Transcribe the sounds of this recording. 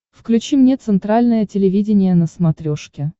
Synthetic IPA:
fklʲʉt͡ɕimnʲet̪sɨnt̪ɾalʲnəjətʲɪlʲɪvʲidʲɪnʲɪjənəsmɐt̪ɾʲoʂkʲɪ

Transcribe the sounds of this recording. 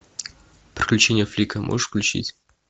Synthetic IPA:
pɾʲɪ̥klʲʉt͡ɕenʲɪjəflʲikəmʔo̰ʐɨt̪fklʲʉt͡ɕḭtʲ

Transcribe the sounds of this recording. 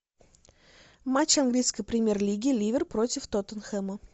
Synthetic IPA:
mat͡ɕːanɡlʲijskəjpɾʲɪmʲjerlʲiɡʲɪlʲivʲɪrpɾotʲɪft̪ot̪ənxɛmə

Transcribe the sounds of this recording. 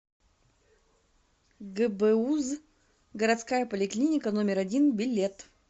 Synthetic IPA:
ɡəbɛuz | ɡəɾɐt̪skajəpəlʲɪklʲinʲɪkənomʲɪɾɐdʲinbʲɪlʲet̪

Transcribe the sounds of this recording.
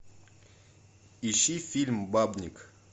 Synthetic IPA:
iɕifʲilʲmbabnʲɪk

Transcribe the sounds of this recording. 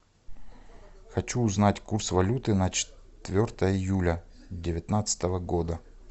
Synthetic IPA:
xɐt͡ɕuːznatʲkursvɐlʲut̪ɨnət͡ɕɪ̥t̪vʲo̞rt̪əjəɪjulʲədʲɪvʲɪt̪nat̪sɨ̥t̪əvəɡo̞d̪ə

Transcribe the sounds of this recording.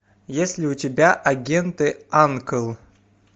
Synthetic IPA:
jesʲlʲɪʊtʲɪbʲaʔɐɡʲent̪ɨankəlˠ

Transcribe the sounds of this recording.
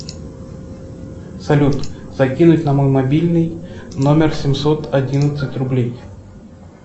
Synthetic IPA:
sɐlʲut̪z̥ɐkʲinʊtʲnɐmo̞jmɐbʲilʲnɨjnomʲɪrsʲɪmsot̪ɐdʲinət̪sɨtʲrʊblʲej

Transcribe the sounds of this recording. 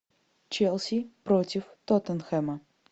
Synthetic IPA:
t͡ʃɛlˠsipɾɔt̪ʲift̪ɔt̪ənxɛmə

